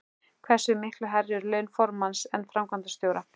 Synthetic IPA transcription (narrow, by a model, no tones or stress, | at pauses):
kʰvɛ̥sʏmɪhklʏɦɛɾðʏɾlœːɥnfɔɾmansɛnːfɾamkʰvant̪ast̪jowɾa